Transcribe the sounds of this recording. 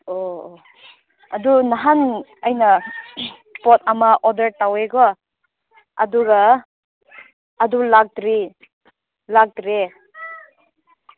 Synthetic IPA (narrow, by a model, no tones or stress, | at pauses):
o | ɐdunaɦanajnɐ | pɔt̚ɐmaʔɔdəɾtaweɡɔ | ɐ̰duɡa | dulak̚dɾi | lak̚tɾe